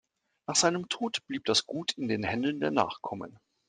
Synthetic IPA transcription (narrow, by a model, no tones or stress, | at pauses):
naːχz̥aɪnəmtʰoːtb̥liːp̚d̥asɡ̥uːtʰɪndeːnhɛndn̩deːɐna̰ːχkʰɔmə̰n